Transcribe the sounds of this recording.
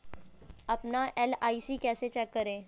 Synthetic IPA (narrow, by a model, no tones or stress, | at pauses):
əpnaʔelaisiːkɛset͡ɕɛkːəɾẽ